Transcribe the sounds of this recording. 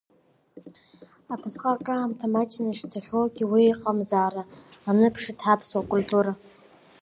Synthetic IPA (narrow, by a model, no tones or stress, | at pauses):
apʰɨsχʼakʼaːmtʰamat͡ʃʼnaʂtʰaχʲoɡʲiwiiqʼamzaːraːnɨpʰʂɨtʰħapʰsakʷʼultʼuɾa